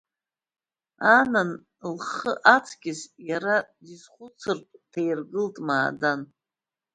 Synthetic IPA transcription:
anan | lχəʔat͡sʰɡʲɪsjaɾadizχʷʊt͡sʰɨrtʼtʰejrɡɨltʼmaːdan

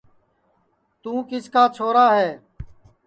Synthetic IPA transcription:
t̪ũːkɪskaːt͡ʃʰoːɾaːɦɛː

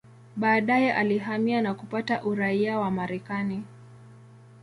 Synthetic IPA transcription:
ɓaːɗajɛʔaliɦamianakupataʔuɾaiawamaɾɛkani

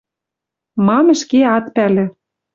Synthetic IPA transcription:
mɑmɘ̆ʃkeɑt̪pælɘ̆

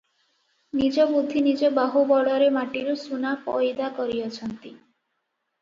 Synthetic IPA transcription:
nid͡ʒɔbud̪ʱːinid͡ʒɔbaɦubɔɽɔɾemaʈiɾusunapɔ̰jd̪akɔɾiɔt͡ʃʰɔnt̪i

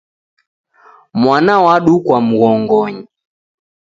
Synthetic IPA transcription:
mwanawaɗukwam̩ɣɔŋɡɔɲi

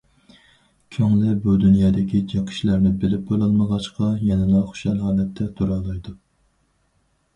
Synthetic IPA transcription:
kʲʰøŋlɪbud̪unjɑːd̪ɪkʲid͡ʒɑqʰə̥ʃlæɾnɪbɪlɪp̚bolˠɑlˠməʁɑʃqɑjɛnɛnɑχʊ̥ʃɛlɦɑːlɛt̪ʰːɛt̪ʰuɾɑlˠɑjd̪u

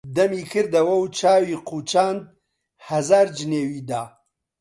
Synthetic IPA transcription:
d̪ɐmiːkʰɨɾd̪ɐwɐwt͡ʃʰaːwiːqʰuːt͡ʃaːnd̪̚ | hɐzaːɾd͡ʒɨneːwiːd̪aː

